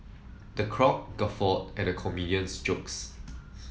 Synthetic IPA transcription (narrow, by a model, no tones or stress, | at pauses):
dəkʰɹɔk̚ɡ̥afɔtɛ̃nəkʰɔmidiə̃nsd͡ʒoks